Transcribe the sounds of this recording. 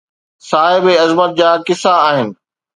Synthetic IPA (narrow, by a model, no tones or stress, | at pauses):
saːɦɪbeɐzmət̪̚d͡ʑaːkɪsaːɦɪnɪ̆